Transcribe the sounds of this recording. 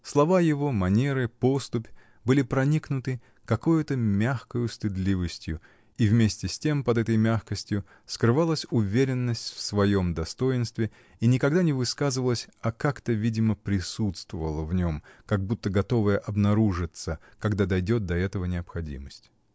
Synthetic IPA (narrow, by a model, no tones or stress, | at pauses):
slˠɐvajɪvo̞mɐnʲe̞ɾɨpo̞st̪ʊpʲ | bɨlʲɪpɾɐnʲiknʊt̪ɨ | kɐkujʊt̪əmʲaxkəjʊst̪ɨd̪lʲivəsʲtʲjʊ | ivmʲesʲtʲɪsʲtʲe̞mpɐd̪ɛt̪əjmʲaxkəsʲtʲjʊ | skɾɨvalˠəsʲʊvʲeɾʲɪnːəsʲtʲfsvɐjo̞md̪ɐst̪o̞jɪnst̪vʲɪ | inʲɪkɐɡd̪anʲɪvɨskazɨvəlˠəsʲɐkakt̪əvʲidʲɪməpɾʲɪsut̪st̪vəvəlˠəvnʲo̞mkɐɡ̚but̪ːəɡɐt̪o̞vəjəʔɐbnɐɾuʐɨt̪səkɐɡd̪ad̪ɐjdʲo̞t̪̚d̪ɐɛt̪əvənʲɪɐpxɐdʲḭməsʲtʲ